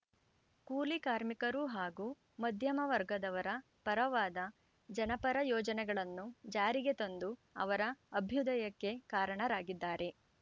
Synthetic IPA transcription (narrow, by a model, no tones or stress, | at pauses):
kuːlikaːɾmikɐɾuɦaːɡuː | mɐd̪ʱjɐmɐʋɐɾɡɐd̪ɐʋɐɾɐ | pɐɾɐʋaːd̪ɐ | d͡ʒɐnɐpɐɾɐjɔːd͡ʒɐnɛɡɐɭɐnːud͡ʒaːɾiɡe̞t̪ond̪uɐ̰ʋɐɾɐːbʱjud̪ɐjɐkːe̞kaːɾɐɳɐɾaːɡid̪ːaːɾe̞